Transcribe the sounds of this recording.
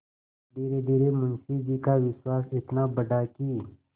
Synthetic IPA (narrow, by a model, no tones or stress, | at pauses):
ɖiːɾeɖ̪iːɾemʊnsid͡ʒikaʋɪswaːsɪt̪nabəɖakiː